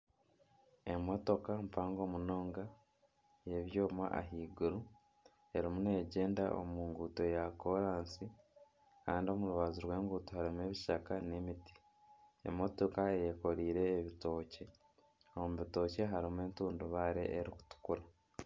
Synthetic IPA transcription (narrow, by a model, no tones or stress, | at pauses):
e̞mo̞to̞kampaːŋɡo̞ːmuno̞ːŋɡa | je̞βjo̞ːma̰ʔa̰ɦiːɡuɾu | e̞ɾimune̞ːɟe̞ːnda̰ʔo̰muːŋɡuːto̞jako̞ɾaːnsi | kaːndio̞muɾuβazuɾwe̞ːŋɡuːtohaɾimue̞βiʃakane̞miti̥ | ḛmo̞to̞kaejeko̞ɾiːɾe̞ːβito̞ːce̞ | o̞muβito̞ːce̞ɦaɾimue̞ːntuːnduβaːɾe̞̰ʔːɾiku̥tu̥kuɾa